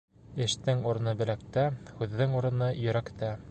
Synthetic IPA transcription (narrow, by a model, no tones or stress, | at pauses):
ɘ̆ʃt̪ɘŋuɾɤ̆nɤbɘ̆læk̚t̪æhʉðːɘŋuɾɤ̆nɤjɵ̆ɾækt̪æ